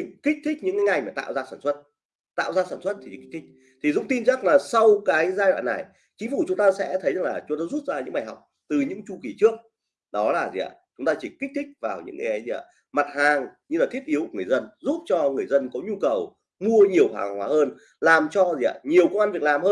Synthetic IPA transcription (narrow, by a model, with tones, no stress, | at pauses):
i˨˩kï˦˥k̟̚t̪ʰï˦˥k̟̚ɲɨ̰˧˥ŋkaː˨˦jŋa˨˩jmaː˨˩t̪a̰ː˧˨wzaː˧saː˧˩nswə˦˥t̚ | t̪a̰ː˧˨wzaː˧saː˧˩nswə˦˥t̚t̪ʰi˨˩t͡ɕki˦˥k̚t̪ʰï˦˥k̚ | t̪ʰi˨˩zʊ̰˧˥ŋ͡mt̪i˧nt͡ɕa˦˥k̚laː˨˩sa˧wkaː˨˦jzaː˧jw̰ːnːa˨˩j | t͡ɕï˨˦ŋ̟fu˨˩t͡ɕʊ˨˦ŋ͡mt̪aː˧sɛ̰˧˥t̪ʰə˨˦jza˨˩ŋlaː˨˩t͡ɕʊ˨˦ŋ͡mt̪aː˧˦zu˦˥t̚zaː˧ɲɨ̰˧˥ŋɓaː˨˧˩jha˨˩wk͡p̚ | t̪ɨ˨˩ɲɨ̰˧˥ŋt͡ɕu˧ki˨˦t͡ɕɨ˦˥ək̚ | ɗɔ˨˦laː˨˩zḭ˨ʔa̰˧˩t͡ɕʊ˨˦ŋ͡mt̪aː˧t͡ɕi˧˨˩ki˦˥t̪ʰï˦˥k̟̚vaː˨˩wɲɨ̰˧˥ŋa˨˩jʔə˨˦jzi˧ʔa̰˧˩ | ma˨˩t̚haː˨˩ŋɲɨ˧laː˨˩t̪ʰi˦˥t̚ʔi˨˦wŋɨ˨˩ə˩zə˧nzu˦˥p̚t͡ɕɔ˧ŋɨ˨˩əjzə˧nkɔ˨˦ɲu˧kə˨˩w | mu˧əɲi˨˩əwha̰ː˨˩ŋhwaː˨˦həː˧n | laː˨˩mt͡ɕɔ˧zi˨ʔa̰˧˩ɲi˨˩əwkə˧wʔa˧nvi˨˩əklaː˨˩mhəː˧